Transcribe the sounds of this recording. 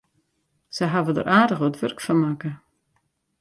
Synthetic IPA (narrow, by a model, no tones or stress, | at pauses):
səɦavədə̰rʔaːdəxoətʋørkfɔnmakə